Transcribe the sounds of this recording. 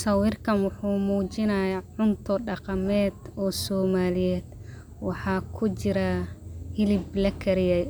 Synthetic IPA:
sɐwirkʰɐnwʊħuːmuːt͡ʃɪnɐjɐʕʊnt̪ʰɔɖɑqɑmɛːd̪ɔːsɔːmaːlɪjɛːd̪ | wɑħɑːkʰʊt͡ʃɪɾahɪlɪblɐkʰɐɾɪjɛj

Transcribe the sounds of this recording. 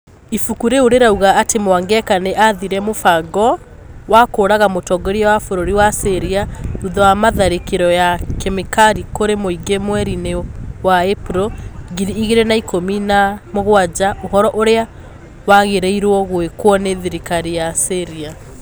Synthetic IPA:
ifukuɾeoɾeɾauɣaːtemowaŋɡɛkaneʔaðiɾɛmofaɡɔ | wakoːɾaɣamotɔɡɔɾiawafoɾoɾiwaseɾiauðɔwamaðaɾekeɾɔjakɛmikaɾikoɾemoiɡemwɛɾinewaepuɾoɡiɾiːɣeɾenaikominamoɣwad͡ʑaohɔɾɔʔoɾea | waɣeɾeiɾwɔɣwekwɔneðiɾikaɾijaseɾia

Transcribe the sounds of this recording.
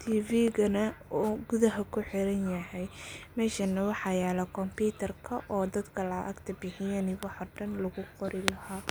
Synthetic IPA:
t̪ʰiːviːɣɐnɐɡʊðɐɦɐkʰʊħɪɾɐnjɐhɛjmɛːʃɐnːɐwɑħɑjɛːlɐkʰɔmpiːt̪ʰɐrkʰɐʔɔːd̪ɐd̪kʰɐlɐʔɐ̰ɡt̪ʰɐbɪħɪjɐnɪwɑħɔːɖɐnlɐɣʊqɔɾɪlɐhaː

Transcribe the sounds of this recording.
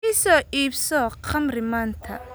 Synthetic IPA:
ɪsɔːʔiːbsɔːqɐmrɪmaːnt̪ʰɐ̰

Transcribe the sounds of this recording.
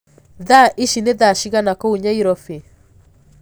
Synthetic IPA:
ðaʔiʃineðaʃiɣanakɔuɲaiɾɔfe

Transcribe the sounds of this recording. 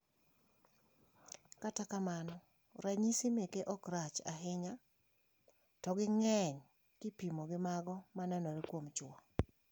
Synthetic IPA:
katakamanɔ | ɾaɲisimekeʔɔkɾat͡ʃa̰ɦɪɲa | tɔɡɪŋɛɲ | kɪpimoɡɪmaɡɔmanɛnɔɾekwomt͡ʃwɔ

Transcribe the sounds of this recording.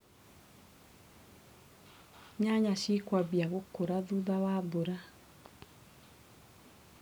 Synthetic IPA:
ɲaɲaʃikwaβjaɣokoɾaðuðawaðoɾa

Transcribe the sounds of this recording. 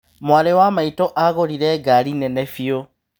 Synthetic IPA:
mwaɾewamaitoʔaɣoɾiɾeɡalinenefio

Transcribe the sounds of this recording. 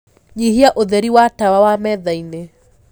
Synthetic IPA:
ɲiɦiaʔoðɛɾiwatawawamɛðainɛ

